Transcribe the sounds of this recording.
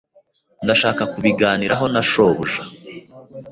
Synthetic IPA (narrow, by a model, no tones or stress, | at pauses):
ndaʃaːkakuβiɡaːniɾaɦo̞naʃo̞ːβuʒa